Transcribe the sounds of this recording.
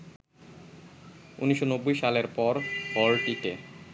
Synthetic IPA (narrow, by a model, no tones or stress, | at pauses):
ṵniʃonobːujʃaleɾpɔɾpɔɾʈike